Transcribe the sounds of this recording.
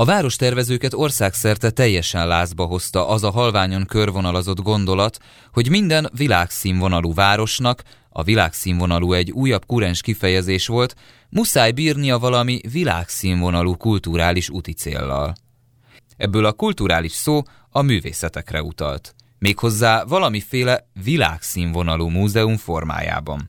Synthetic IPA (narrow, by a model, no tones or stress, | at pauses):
ɒvaːɾo̞ʃt̪ɛrvɛzøːkɛt̪o̞rsaːksɛrt̪ɛt̪ɛjːɛʃɛnlaːzbɒɦo̞st̪ɒʔɒzɒɦɒlvaːɲo̞ŋkø̞rvo̞nɒlozo̞d̪ɡo̞nd̪o̞lɒt̪ | ho̞ɟmind̪ɛnvilaːksiːɱvo̞nɒluːvaːɾo̞ʃnɒk | ɒ̰vilaːksiːɱvo̞nɒluːɛɟːuːjːɒbkuɾɛnʃkifɛjɛzeːʃʋo̞lt̪ | musaːjbiːrniɒvɒlɒmivila̰ːksiːɱvo̞nɒluːkult̪uɾaːliʃut̪it̪sḛːlːɒ̰l | ɛbːøːlɒkult̪uɾaːliʃsoː | ɒmyːvḛːsɛt̪ɛkrɛ̰ṵt̪ɒ̰lt̪ | meːkho̞zːaːvɒlɒmifeːlɛvila̰ːksiːɱvo̞nɒluːmuːzɛuɱfo̞rma̰ːja̰ːbɒn